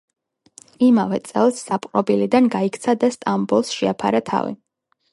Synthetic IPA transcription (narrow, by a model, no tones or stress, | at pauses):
imavɛt̪sʼɛ̰lˠsːapʼqʼɾɔbilid̪anɡaikʰt̪sʰad̪ast̪ʼambulˠsʃɛapʰa̰ɾat̪ʰa̰vḭ